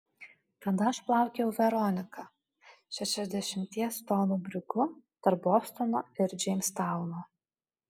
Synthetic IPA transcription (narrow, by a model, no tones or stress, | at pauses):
t̪ɐd̪ɐɐʃplˠɑˑʊkʲɛʊʋʲɛɾɔnʲɪkɑ | ʃʲɛʃʲɛzʲd̪ʲɛʃʲɪmʲt̪ʲiɛst̪ɔːnuːbʲɾʲɪkʊt̪ɐɾboːst̪ɔnoːɪɾd͡ʒʲɛɪmʲst̪ɑˑʊnoː